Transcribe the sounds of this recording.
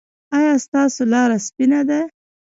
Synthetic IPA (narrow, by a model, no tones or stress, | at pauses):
ɑjɑst̪ɑsolɑɾaspinad̪a